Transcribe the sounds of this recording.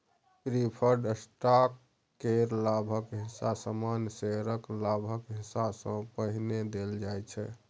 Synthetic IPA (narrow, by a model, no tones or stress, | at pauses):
pɾipʰəɾɖsʈakː | eɾlabʱəkɦɪ̃sasəmanseɾəklabʱəkɦisasə̃pəɦined̪eld͡ʒajt͡ʃʰɛ̰